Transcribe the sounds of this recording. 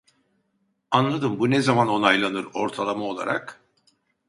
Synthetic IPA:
anlˠad̪ɯmbunezamano̞najlˠanɯɾo̞ɾt̪ʰalˠamao̞lˠa̰ɾa̰k

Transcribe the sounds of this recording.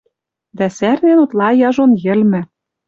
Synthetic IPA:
d̪æsærnenut̪lˠɑjɑʒonjɘ̆lmɘ̆

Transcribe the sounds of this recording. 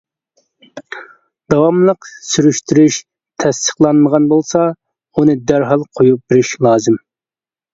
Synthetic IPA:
d̪̥ɑwɑmlˠəqsyɾyʃt̪ʰyɾyʃ | t̪ʰɛst̪ə̥qlˠɑnməʁɑnbolˠsɑ | unɨd̪æɾɦɑlˠqʰojup̚b̥eɾɪʃlˠɑːzɪm

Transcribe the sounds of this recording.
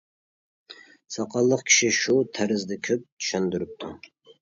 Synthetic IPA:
sɑqɑlˠːəqkʲʰi̥ʃiʃut̪ʰæɾɪzd̪ɛkʲʰøp̚t̪ʰy̥ʃænd̪yɾyp̚t̪ʰu

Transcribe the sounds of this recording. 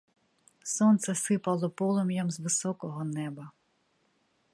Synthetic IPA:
sɔnt̪sɛsɪpɐlˠɔpɔlˠɔmjɔmzʋɪsɔkɔɦɔnɛbɐ

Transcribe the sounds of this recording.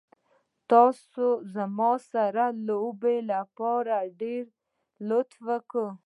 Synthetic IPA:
t̪ɑsozəmɔsaɾalobelapɔɾaɖeɾ | lot̪ʰwəkə

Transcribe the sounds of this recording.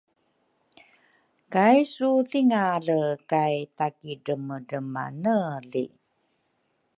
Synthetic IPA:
kajsuθiŋaləkajtakiɖəməɖəma̰nəlḭ

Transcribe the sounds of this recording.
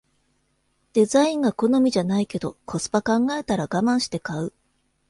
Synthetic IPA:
d̪̥e̞zaĩŋɡako̞no̞mʲiʑanaike̞d̪o̞kʰo̞sɨ̥pakãŋɡae̞t̪aɾaɡamãɰ̃ɕi̥t̪e̞kaɯ

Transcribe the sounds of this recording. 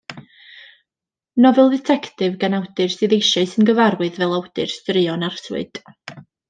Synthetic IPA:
nɔvɛlˠdɛtʰɛkʰtɨvɡanawdɨrsɨðejʃaɨsɨnɡəvaɾwɨðvɛlˠawdɨrstrɨɔnarswɨ̰d̥

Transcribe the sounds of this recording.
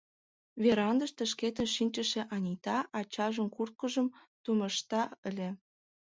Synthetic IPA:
βeɾɑnd̪əʃt̪ə̆ʃket̪ə̆nʃinʲt͡ɕə̆ʃeʔɑnʲit̪ɑʔɑt͡ɕɑʒə̆mkurt̪̚kə̆ʒə̆mt̪umə̆ʃt̪ɑə̆lʲe

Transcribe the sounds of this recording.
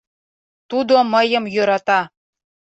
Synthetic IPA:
t̪ud̪oməjə̆mjøɾɑt̪ɑ

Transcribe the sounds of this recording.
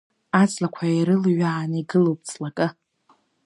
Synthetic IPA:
at͡sʰʼlakʷʰaiɾɨlɥaːniɡɨlowp̚ʼt͡sʰʼlakʼɨ

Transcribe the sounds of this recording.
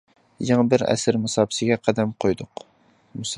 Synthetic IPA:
jɑŋbɪɾɛ̰sɪɾmɨsɑːbsɪɡʲɛqʰæd̪ɛmqʰojd̪ʊq | mus

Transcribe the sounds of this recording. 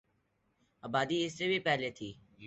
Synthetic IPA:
aːbaːd̪iːɪseːbʱiːpɛːɦleːt̪ʰiː

